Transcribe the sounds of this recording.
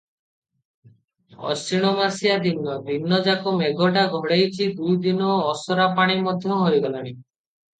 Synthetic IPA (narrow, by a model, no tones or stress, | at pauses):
ɔ̰siɽ̃ɔmasijad̪inːɔbʱinːɔd͡ʒakɔmeɡɔʈaɡʱɔɽejt͡ʃʰid̪ujd̪inɔːsɔɾapaɽ̃imɔd̪ʱjɔɦoiɡɔlaɽ̃i